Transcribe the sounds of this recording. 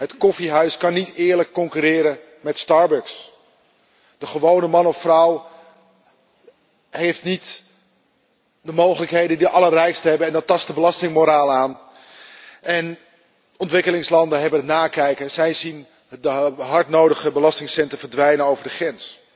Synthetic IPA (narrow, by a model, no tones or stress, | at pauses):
ɦətkɔfiɦœɥskɑnːitɪːɹləkːɔŋkyɾɪːɾə | mɛtstɑɹbœks | d̥əχəʋownəmɑnɔffrʌw | ɦejftnit | dəmowχələkɦejdədiʔɑlərrɛjkstəɦɛbəɛndɑtːɑstəbəlɑstɪŋmoɾaːlaːn | ʔɛn | ɔntʋɪkəlɪŋslɑndəɦɛbəntnaːkɛjkəzɛjzin | dəɦɑɹtnowdəχəbəlɑstɪŋsɛntəɹvəɹdʋɛjnəowvəɹdəχrɛns